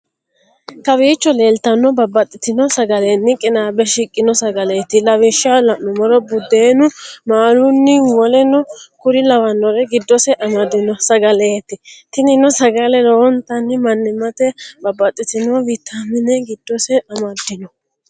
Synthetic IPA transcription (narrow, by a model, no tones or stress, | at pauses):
t̪ɐbiːt͡ʃːɔle̞ːlt̪ɐnːɔbɐbːɐt̪ʼːɪt̪ɪnɔsɐɡɐlenːɪkʼɪnaːbɛʃɪkʼːɪnɔsɐɡɐleːt̪ːɪlɐwɪʃalɐʔɔmɔɾɔbʊd̪ːeːnʊmaːɾʊnːɪwɔlɛnɔkʊɾɪlɐwɐnːɔɾɛɡɪd̪ːɔsɛʔɐmɐd̪ɪnɔsɐɡɐleːt̪ːɪt̪ɪnɪnɔsɐɡɐlɛɾɔːɔnt̪ɐnːɪmɐnːɪmɐt̪ɛbɐbːɐt̪ʼːɪt̪ɪnɔvɪt̪ʰːamɪnɛɡɪd̪ːɔsɛɐmɐd̪ːɪnɔ